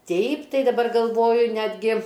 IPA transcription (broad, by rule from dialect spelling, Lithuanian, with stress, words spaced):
ˈtʲɛɪp ˈtɐɪ dɐˈbɐr ɡɐlˠˈʋoːjʊ ˈnʲæːdʲɡʲɪ